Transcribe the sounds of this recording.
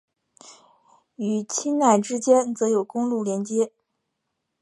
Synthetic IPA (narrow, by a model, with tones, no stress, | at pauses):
y˨˩t͡ɕʰi˥nna˥˩ɪʈ͡ʂɻ̩˥t͡ɕjɛ˥nt͡sɤ˧˥jo˨˩ʊkʊ˥ŋlu˥˩ljɛ˧˥nt͡ɕjɛ˥